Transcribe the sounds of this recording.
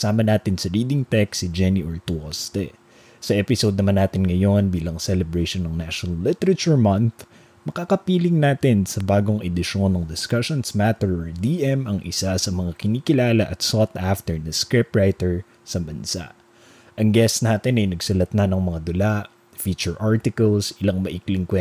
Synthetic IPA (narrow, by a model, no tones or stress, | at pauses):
saːmɐnaːt̪ɪnsɐɹiːd̪ɪŋt̪ɛksɪd͡ʒɛniʔoɹt̪ʊost̪ɛ | sɐʔɛpɪsod̪̚nɐmanːaːt̪ɪnŋɐjo̞nbiːlɐŋsɛlɛbɹɛjʃonɐŋnaʃonɐlːɪt̪ɛɾɐt͡ʃuɹmɐnθ | mɐkaːkɐpiːlɪŋnaːt̪ɪnsɐbaːɡo̞ŋɛd̪ɪʃo̞nːɐŋd̪ɪskaʃonsmat̪ɛɹoɹd̪iːʔɛmɐŋʔɪ̰sasɐmɐŋakɪniːkɪlaːlɐʔɐt̪sot̪ʔaft̪ɛɹnɐskɹɪpɹajt̪ɛɹ | sɐbɐnsa̰ʔ | ʔɐŋɡɛst̪naːt̪ɪnɐjnɐɡsʊlɐt̪̚nɐnɐŋmɐŋad̪ʊlaʔ | fit͡ʃʊɹʔaɹt̪ɪkɐlsɪlaŋmɐʔɪklɪŋkwɛ